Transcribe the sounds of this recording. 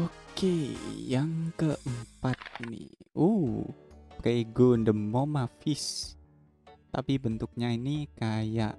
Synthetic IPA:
okejaŋkəʔəmpat̪̚nḭhuhpɾeɡondəmːomafɪs | t̪apibənt̪ʊk̚ɲainikaja̰ʔ

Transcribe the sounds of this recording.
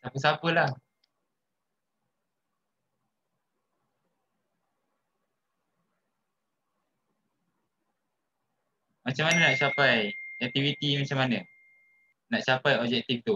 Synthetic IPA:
sapəsapəlah | mat͡ʃamːanənaʔt͡ʃapajɛk̚t̪ivit̪imat͡ʃamanə | naʔt͡ʃapajɔb̚d͡ʒɛk̚t̪ift̪u

